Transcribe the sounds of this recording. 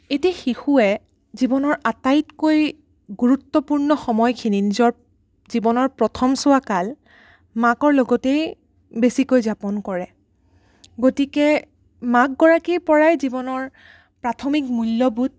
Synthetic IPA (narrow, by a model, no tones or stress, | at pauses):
etiaxixuɛ | zibɔnɔɹʔatajtkoj | ɡuɹutːɔpuɹnɔxɔmɔjkʰininizɔɹ | zibɔnɔɹpɹɔtʰɔmsʊakal | makɔɹlɔɡɔtej | besikojzapɔnkɔɹɛ | ɡotikɛ | mak̚ɡɔɹakipɔɹajzibɔnɔɹ | pɹatʰɔmikmulːɔbut̚